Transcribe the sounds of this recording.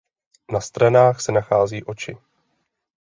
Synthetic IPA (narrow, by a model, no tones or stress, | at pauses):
nast̪ɾɛnaːxsɛnaxaːziːʔo̞t͡ʃɪ